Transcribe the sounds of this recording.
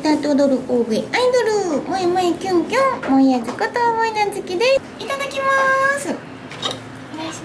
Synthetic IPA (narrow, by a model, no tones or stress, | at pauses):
t̪aːt̪od̪oɾɯ̟ʔoːbɯeaid̪oɾɯmoemaekʲɯ̃ŋkʲõmoijazɨkɯt̪oːmoinazɨkʲid̪e | it̪ad̪akʲimasɨ